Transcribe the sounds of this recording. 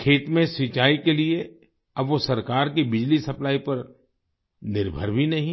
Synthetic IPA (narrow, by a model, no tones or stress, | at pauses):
kʰeːt̪mẽsit͡ʃaːikelie | ɐbʋosɐɾkaːɾkibɪd͡ʒlisɐplaːipɐɾ | nɪɾbʱə̰ɾbʱinɐɦĩ